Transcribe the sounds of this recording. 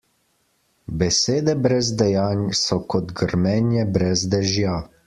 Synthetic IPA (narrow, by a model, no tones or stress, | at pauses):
bɛseːd̪ɛbɾɛzd̪ɛjaːnʲsɔkɔd̪ɡəɾmɛnjɛbɾɛzd̪ɛʒja